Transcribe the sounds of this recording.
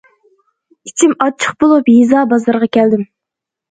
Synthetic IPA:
it͡ʃʰimɑt͡ʃʰə̥χbolˠupjizɑːbɑzɑɾʁɑkʲʰɛld̪ɪm

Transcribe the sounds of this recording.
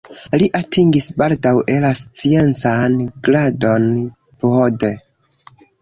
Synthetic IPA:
liʔatʰiŋɡisbaldawʔe̞last͡sient͡sanɡ̥ɾado̞n | pode

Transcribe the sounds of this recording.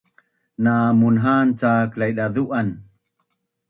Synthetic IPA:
namunɦant͡saklajɗaðuʔan

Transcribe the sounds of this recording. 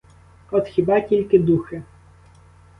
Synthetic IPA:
ɔt̪xʲɪbɑtʲilʲkɪd̪uxɪ

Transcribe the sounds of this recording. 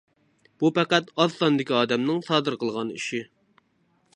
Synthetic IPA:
b̥upæqæt̪ɑsɑnd̪ɪkʲiɑːd̪ɛmnɨŋsɑːd̪ɨɾqəlˠʁɑnḭʃi

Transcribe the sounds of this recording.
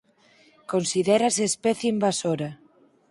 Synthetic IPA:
konsiðɛɾasespɛθjeimbasoɾɐ

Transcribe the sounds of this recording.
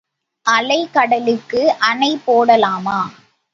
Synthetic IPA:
ʔɐlɐɪkɐɽɐlɯkːɯʔɐnɐɪpːoːɽɐlaːmaː

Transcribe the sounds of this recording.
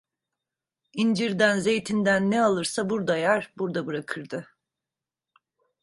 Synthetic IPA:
ind͡ʒiɾd̪ænze̞jt̪ʰind̪ænːɛalˠɯɾsabuɾd̪ajæɾbuɾd̪abɯɾakʰɯɾd̪ɯ

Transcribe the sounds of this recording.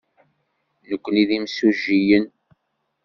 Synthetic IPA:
nəkʷːəniðimsuʒijən

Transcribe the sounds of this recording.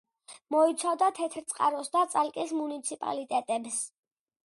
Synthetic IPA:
mɔit̪sʰavd̪at̪ʰɛt̪ʰɾt̪sʼqʼa̰ɾɔsd̪at̪sʼalkʼismunit̪sʰipʼa̰lit̪ʼɛt̪ʼɛbs

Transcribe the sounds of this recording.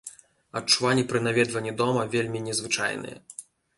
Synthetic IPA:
ɐtt͡ʂuvanʲːipɾɨnavʲɛd̪vɐnʲːid̪ɔmɐvʲelʲmʲinʲɛzvɨt͡ʂa̰jnɨ̰jɛ̰

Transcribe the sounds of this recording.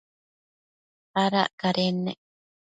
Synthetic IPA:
aɾa̰ʔkaɾʔenːḛk̚

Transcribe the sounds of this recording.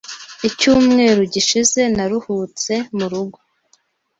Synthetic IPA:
icuːmŋe̞ːɾoɟiʃize̞naɾuhut͡se̞muɾuɡo̥

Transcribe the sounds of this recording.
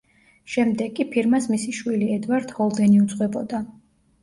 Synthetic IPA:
ʃɛmd̪ɛɡːipʰiɾmasmisiʃwiliɛd̪vaɾd̪hɔlˠd̪ɛniut̪sʼqʼwɛbɔd̪a

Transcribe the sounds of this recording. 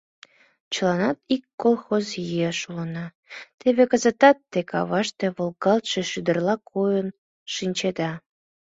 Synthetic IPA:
t͡ɕəlɑnɑt̪ikːolˠxozjieʃulənɑ | t̪eβekəzət̪ɑt̪ːekʰɑ̰βɑʃt̪e̽βolˠkɑlt̪ʃe̽ʃyd̪ərlɑkʰojən | ʃinʲt͡ɕed̪ɑ

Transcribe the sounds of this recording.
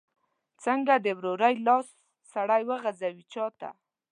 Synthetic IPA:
t͡səŋɡad̪əwɾoɾajlɑsː | aɽajwəɣazawit͡ʃɑt̪a̰

